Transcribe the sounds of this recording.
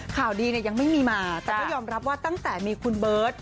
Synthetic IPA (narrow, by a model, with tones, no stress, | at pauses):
kʰaː˨˩wdiː˧ni˥˩ɐja˧ŋma˥˩jmiː˧maː˧t̪ɛː˨˩kɔː˥˧˥jɔː˧mɾa˦˥p̚waː˥˩t̪a˥˩ŋt̪ɛː˨˩miː˧kʰu˧nbɤː˦˥t̪̚